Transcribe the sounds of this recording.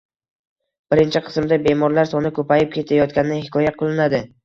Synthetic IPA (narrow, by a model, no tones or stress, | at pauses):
b̥ɪɾɪnt͡ʃʰɪqʰɨ̥smd̪abe̞mɒɾlaɾsɒnɪkʰɵpajɪp̚kʲʰe̞t̪ʰajɒt̪̚kʲanɪnɪhɪkʰɒjaqʰɨlˠɪnad̪ɪ